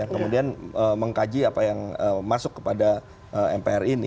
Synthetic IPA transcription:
aŋkəmudianəməŋkad͡ʒiapajaŋəmasʊkːə̥pada | ʔəɛmpeɛrinḭ

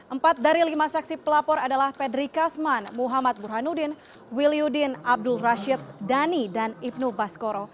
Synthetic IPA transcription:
ʔəmpat̪̚daɾilimasaksipəlapɔɾadalahpɛdɾikasmanmuɦamat̪̚burɦanudɪn | wiliudɪnab̚dʊlraʃɪt̪̚danidanip̚nubaskoɾɔ

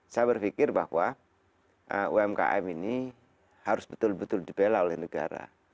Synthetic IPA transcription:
sajabərfikɪrbahwa | ʔəṵɛmka̰ʔɛmini | haɾʊsbət̪ʊlbət̪ʊldibelaolɛhnəɡa̰ɾa̰

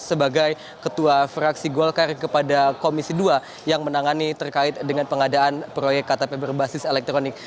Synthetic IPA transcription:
səbaɡaj | kət̪uafɾaksiɡolkarkəpadakomisidua | jaŋmənaŋanit̪ərkaɪt̪̚dəŋanpəŋadaʔanpɾojɛkːat̪apebərbasɪselɛk̚t̪ɾonɪk̚

